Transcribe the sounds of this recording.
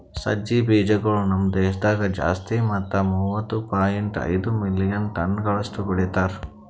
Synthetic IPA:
sɐ̰d͡ʒibiːd͡ʒɐɡɐɭunɐmd̪eːʃd̪aːɡɐd͡ʒa̰ːst̪imɐt̪ːɐmuːʋɐt̪ːupaːjeɳʈɐ̰jd̪umilːijɐnʈɐnɡɐɭɐsʈubɔɽɛt̪aːɾ

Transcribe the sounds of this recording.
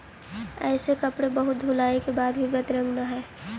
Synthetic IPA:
ɛ̰ːsekɐpɽebɐɦʊt̪̚d̪ʱulaːekebaːd̪bʱibɐt̪ɾə̃ŋɡnaɦɛː

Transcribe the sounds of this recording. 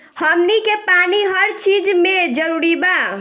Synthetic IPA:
həmnikepaniɦəɾt͡ʃid͡ʒmed͡ʒəɾuɾiba

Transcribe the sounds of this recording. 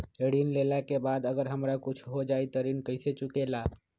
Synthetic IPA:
eɽinlelakebad̪əɡəɾɦəmɾakut͡ʃʰɦod͡ʒait̪əɾinkəjset͡ʃukela

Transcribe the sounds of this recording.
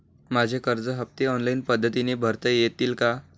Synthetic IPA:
mad͡ʑʱekəɾd͡zəɦəp̚t̪eɔnlainpəd̪ʱːət̪inebʱəɾt̪əjet̪iːlka

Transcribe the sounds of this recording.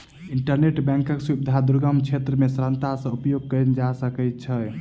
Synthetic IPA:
iɳʈəɾneʈbɛ̃ŋkəksubid̪ʱad̪uɾɡəmt͡ʃʰet̪ɾəmesɾə̃nt̪asə̃upjoɡ̚kənd͡ʒasəkɛt̪̚t͡ʃʰə

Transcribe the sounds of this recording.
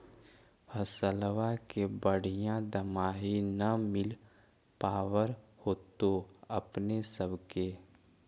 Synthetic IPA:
həsəlʋakebəɽ̤ijãd̪əmaːɦinəmɪl | paːwəɾhoːt̪oɐpnesəbke

